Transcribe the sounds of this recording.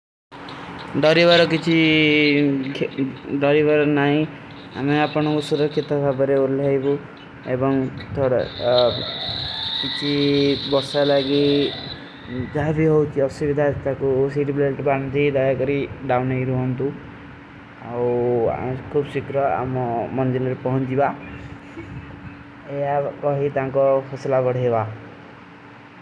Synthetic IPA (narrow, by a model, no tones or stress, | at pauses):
ɖɔɾibaɾɔkit͡ʃʰi | ɖɔɾibaɾɔnaɦĩ | a̰meapɔɽ̃ɔŋkusuɾɔkʰjit̪ɔbʱabɔɾeuleaɦjbu | ebɔŋt̪ʰoɽa̰ | kit͡ʃʰibɔɾsalaɡi | d͡ʒaɦabʱiɦowt͡ʃʰiɔsubid̪ʱat̪akusiʈibleʈband̪ʱid̪ajakɔɾiɖawnejɾuɦɔnt̪u | a̰w̰ | kʰubsikɾɔa̰mɔmɔnd̪ilɔɾepɔɦɔnd͡ʒiba | ejakɔɦit̪ãŋkɔpʰɔslabɔɽ̤ieba